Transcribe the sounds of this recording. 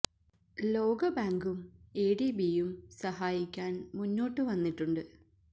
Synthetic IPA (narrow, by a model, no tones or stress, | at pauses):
lo̞ːɡɐbaːŋɡumeːɽibijumsɐɦaːjikʲːaːnmunːo̞ːʈːɨʋɐnːiʈːuɳɖɨ